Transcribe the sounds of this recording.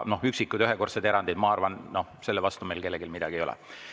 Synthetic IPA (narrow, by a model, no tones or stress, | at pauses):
no̞hyksikːˑud̪yɦeko̞rt̪sed̪e̞ɾɑnd̪id̪mɑɑrvɑnno̞hse̞lːevɑst̪ume̞jlke̞lːeɡilmid̪̥ɑ̰ɡ̥iejolɛ̰